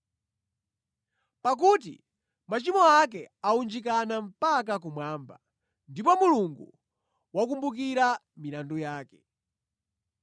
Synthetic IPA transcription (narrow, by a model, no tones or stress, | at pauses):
pak̬ut̬ḭ | mat͡ʃimɔak̬ɛaund͡ʒik̬anam̩pak̬ak̬umwaːmba̰ | ndipɔmuluŋɡṵ | wakumbuk̬iɾamiɾandujaːkɛ